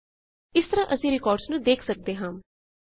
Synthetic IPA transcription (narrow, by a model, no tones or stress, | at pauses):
ɪst̪əɾãːʔəsĩːɾɪkɔːɾɖsnũːd̪eːkʰsək̚d̪eːɦãːm